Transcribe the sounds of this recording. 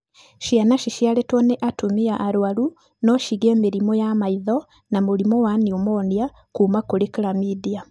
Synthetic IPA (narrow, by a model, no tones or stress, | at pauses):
ʃianaʃiʃjaletwoneʔatumiaʔːɾuwalu | noʃiɣeːmiɾimojamaiðo | namuɾimowaniumoːndja | kuːmakulekiɾamiðia